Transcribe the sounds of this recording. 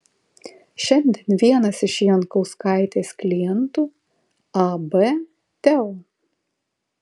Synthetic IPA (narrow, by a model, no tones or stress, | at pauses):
ʃʲɛnʲd̪ʲɛnʋʲiɛnɐsɪʃjiɛnkɔʊskɑˑɪt̪ʲeːsklʲɪjɛnt̪uː | ɑbɛ | t̪ʲɛɔ